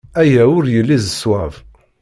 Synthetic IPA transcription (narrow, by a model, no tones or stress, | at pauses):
æjæʊɾjəlːizəswæv